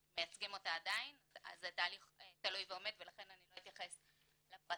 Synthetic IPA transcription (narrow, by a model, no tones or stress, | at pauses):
mejat͡sɡimo̞t̪aːdaina̰zetaːliχt̪alujveo̞me̞d̪velaχe̞naniloit̪jaχe̞s | lapʁa